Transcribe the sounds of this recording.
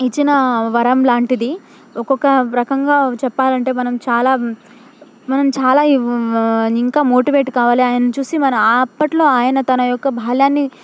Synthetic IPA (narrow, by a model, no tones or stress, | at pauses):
it͡ʃːinɐʋɐɾɐmlaːɳʈid̪i | ɔkɔkːɐɾɐkɐŋɡaːt͡ʃɛpːaːlɐɳʈe̞ːmɐnɐmt͡ʃaːlaː | mɐnɐmt͡ʃaːlaː | iŋkaːmo̞ːʈiʋe̞ːʈkaːʋaːliaːjɐnɐt͡ʃuːsimɐnɐmɐpːɐʈlo̞ːaːjɐnɐt̪ɐnɐjɔkːɐbʱaːljaːnːi